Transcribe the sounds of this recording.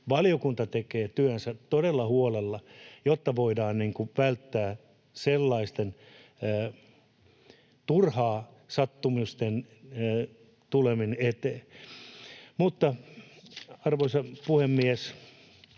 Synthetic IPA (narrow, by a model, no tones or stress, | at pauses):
ʋɑlijokunt̪ɑt̪ekeːt̪yænsæt̪odelːɑhuolelːɑjot̪ːɑʋoidɑːnniŋkuʋælt̪ːæː | selːɑist̪enː | t̪urhɑː | sɑt̪ːumust̪en | t̪uleminet̪eː | mut̪ːɑ | ɑrʋoisɑpuhemːiæs